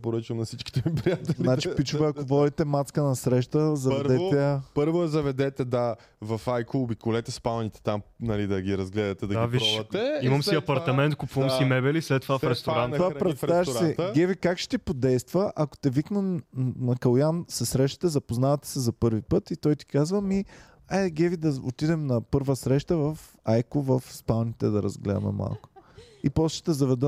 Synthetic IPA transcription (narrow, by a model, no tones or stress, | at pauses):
poɾət͡ʃvɐmnɐsit͡ʃki̥t̪ɛmipɾijat̪ɛznnat͡ʃipit͡ʃuvɛɐkovɔd̪it̪ɛmat̪skənɐsɾɛʃt̪əzɐd̪ɛt̪ɛpɤɾvʊɛzɐvɛd̪ɛt̪ɛd̪a | vɐfajkəʊbikʊlɛt̪ɛspavɐnit̪ɛ̥t̪amnɐlid̪ɐɡʲiɾɐzɡlɛd̪ɐt̪ɛd̪ɐd̪aviʃvɐt̪ɛɛimɐmsiɐpɐɾt̪ɐmɛnt̪̚kʊpuvɐmsimɛbɛlislɛt̪ːovafɾɛst̪oɾɾant̪ovapɾɛt̪savɛʃsɾɛɡɛvikakʃɛ̥t̪ipod̪ɛjst̪vəʔɐko̥t̪ɛviknɛmnɐkɐlˠjansɛsɾɛʃt̪ə̥t̪ɛzɐpoznavɐt̪ɛ̥sɛzɐpɤɾvipɤt̪it̪ɔjt̪i̥kazvəmi | aɡɛvid̪ɐo̰t̪id̪ɛmnɐpɤɾvəsɾɛʃt̪əvɐf | ajkʊvɐfspalˠnit̪ɛd̪ɐɾɐzɡlɛd̪ə̰mɛ̰ma̰lˠkʊ̥ | ipɔsʃɛ̥t̪ɛzɐvɛd̪ə